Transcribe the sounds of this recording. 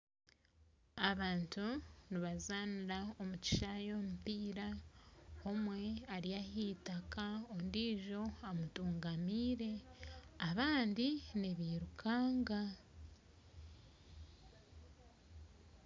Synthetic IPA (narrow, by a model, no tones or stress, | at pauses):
aβaːntuniβazaːniɾaomuci̥ʃajo̞ːmupiːɾa | o̞mwe̞aɾiahiːtakaondiːʒo̞amutuːŋɡamiːɾe̞aβaːndiniβiːɾukʰaːŋɡa